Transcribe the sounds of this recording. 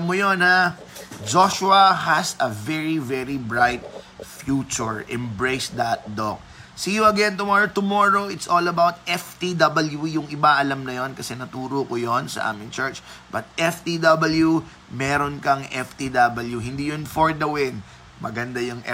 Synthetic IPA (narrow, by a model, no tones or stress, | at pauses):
mːʊjonha | d͡ʒoʃʊɐhɐsɐvɛɹivɛɹibɹajt̪̚fjut͡ʃʊɹʔɛmbɹejsd̪ɐt̪̚d̪o̰k̚ | siːjʊɐɡɛnt̪ʊmɔɹot̪ʊmoɹoɪt̪sʔolɐbawt̪̚ɛft̪id̪ɐbɐljujʊŋɪbaʔɐlɐmnɐjo̞nkɐsɛnɐt̪uːɾokojonsɐ̰ʔa̰ːmɪŋt͡ʃɛɹt͡ʃb̥ɐt̪̚ɛft̪id̪ɐbɐlju | mɛːɾonkɐŋɛft̪id̪ɐbɐljuɦɪ̃nd̪iːjonfoɹd̪ɐwɪn | mɐɡɐnd̪ajʊŋʔɛ̰